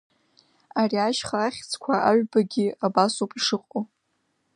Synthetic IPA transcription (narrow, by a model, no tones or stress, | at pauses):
ariaʃχaaχʲt͡sʰʼkʷʰaʔaɥᶣbaɡʲɪabasopʼiʂɨqʼo